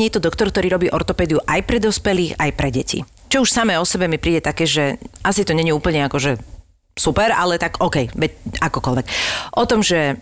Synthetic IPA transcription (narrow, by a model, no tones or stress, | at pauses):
iɛt̪ɔd̪ɔkt̪ɔɾkt̪ɔɾiːɾɔbiːʔɔɾt̪ɔpɛːd̪iuʔajpɾɛd̪ɔspɛliːxajpɾɛɟɛcḭ | t͡ʃɔuʃsamɛːɔsɛbɛmipɾiːɟɛt̪akɛːʒɛʔasit̪ɔɲɛɲiuːpl̩ɲɛakɔʒɛ | supɛɾalɛt̪aɡɔːkɛjʋɛcakɔkɔlʋɛkʔɔt̪ɔmʒɛ